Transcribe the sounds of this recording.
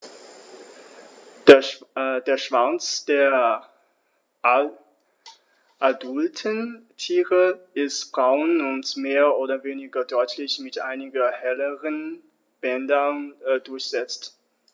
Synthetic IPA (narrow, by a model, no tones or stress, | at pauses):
deːɐʃv̥at͡sd̥eːɐ | ʔadʊltʰəntʰiːʁəʔɪstb̥ʁaʊnʊntmeːɐʔoːdɐveːnɪɡɐdɔʏtʰlɪçmɪtʔaɪnɪɡɐhɛləʁən | b̥ɛndɐdʊɐçz̥ɛt͡st